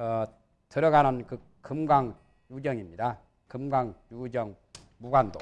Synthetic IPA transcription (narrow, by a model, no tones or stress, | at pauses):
ʌ | tɯɾʌɡanʌnkɯ | kɯmɡwaŋ | jud͡ʑʌŋimɲida | kɯmɡwaŋjud͡ʑʌŋ | muɡando